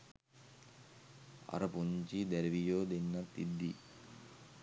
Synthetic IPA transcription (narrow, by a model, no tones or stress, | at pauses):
a̰ɾəpuɲt͡ʃid̪æɾiʋijoːd̪enːat̪ːid̪ːi